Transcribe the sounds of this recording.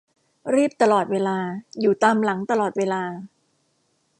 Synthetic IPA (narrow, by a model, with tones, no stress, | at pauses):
ɾiː˥˩p̚t̪a˧lɔː˨˩t̪̚weː˧laː˧juː˨˩t̪aː˧mla˩˦ŋt̪a˧lɔː˨˩t̪̚weː˧laː˧